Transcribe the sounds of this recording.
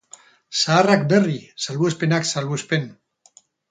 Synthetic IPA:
saːrak̚berisalβuespenaksalβuespen

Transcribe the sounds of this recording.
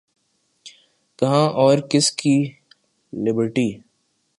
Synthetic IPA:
kɐɦãːʔɔːɾkɪski | lɪbəɾʈiː

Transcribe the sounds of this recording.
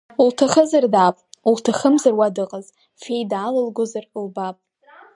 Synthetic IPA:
ultʰaχəzardaːpʼultʰaχəmzarwadɨqʼaz | fejdaːlalɡʷʊzarlbapʼ

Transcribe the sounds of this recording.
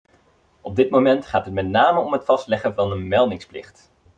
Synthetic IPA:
ʔɔb̚dɪtmomɛntχaːtət̚mɛtnaːməɔmɦətfɑstlɛχəvɑnənmɛlˠdɪŋsplɪ̰χt

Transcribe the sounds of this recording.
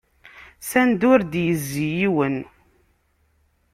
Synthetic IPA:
sænd̪ʊɾd̪jəzːijiwən

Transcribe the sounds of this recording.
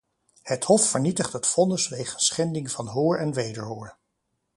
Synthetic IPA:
həthɔfːəɹnitəχtɦətfɔnəsʋejχənsχɛndɪŋvɑnɦoːɹɛnʋejdəɹɦoːɹ

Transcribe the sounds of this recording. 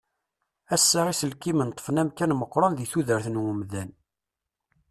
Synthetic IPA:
æsːaʁisəlkimənt̪ˤːə̥fənæmkænməqːɾˤɑnðiθuðəɾθənwəmðæn

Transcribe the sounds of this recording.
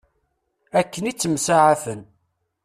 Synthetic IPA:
ækːənit͡sːəmsaʕaθən

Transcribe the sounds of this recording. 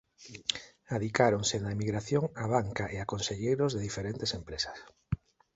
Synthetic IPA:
aðikaɾonsenaemiɣɾaθjoŋaβ̞aŋkaʔeakonseʎejɾozðeðifeɾent̪esempɾesḁs

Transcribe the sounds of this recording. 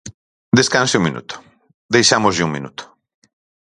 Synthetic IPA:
d̪eskãnsɪũŋmĩnṵt̪ʊ̥ | d̪ejʃamʊzʎɪuŋmḭnṵt̪ʊ̥

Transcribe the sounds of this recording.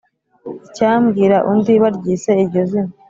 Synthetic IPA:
icaːmɡiːɾaʔundiβaɾɟiːse̞iɾɟozima

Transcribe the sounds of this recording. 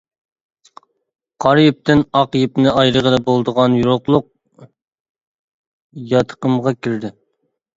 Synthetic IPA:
qʰɑɾjɪp̚t̪ɪnɑqjip̚nɪɑjɾəʁəd̪ɑbolˠd̪əʁɑnjuɾoqlˠʊq̚ | jɑt̪ʰə̥qəmʁɑkʲʰiɾd̪ɪ

